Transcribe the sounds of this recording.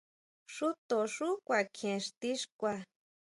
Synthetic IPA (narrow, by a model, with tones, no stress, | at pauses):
ʂu˦t̪o˨ʂu˦kʷa˨kʰẽ˨ʂt̪i˦ʂkʷa˧